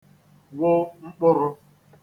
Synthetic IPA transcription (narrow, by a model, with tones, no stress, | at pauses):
wʊ˦ŋ͡m̩˦k͡pʊ˦ɾʊ˦